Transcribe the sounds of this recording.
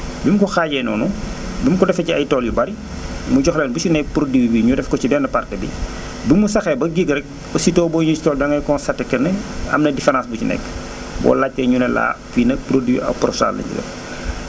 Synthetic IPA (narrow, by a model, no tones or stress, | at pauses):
bimkɔxaːɟɛːnɔ̰ːnu | bimkɔdɛfɐciɐjtɔːljubɐɾi | muɟɔxlɛnbut͡ʃinɛk̚pɾodiwibiɲudɛfkɔt͡ʃidɛnːɐpartɛbḭ | bimusɐxɛbɐɡiɡɾɛk̚ | ɔsitɔːbɔɲut͡ʃi̥tɔːldɐŋɐjkɔnsɐtːɛkːɐnɛɐ̰mnɐdifɛɾãnsbucinɛ̰kː | bɔ̰ːlacːɛɲunɛla̰ːpinɐpɾodiḭɐ̰pɾɔsa̰ːlnɐ̰ɲṵdɛ̰f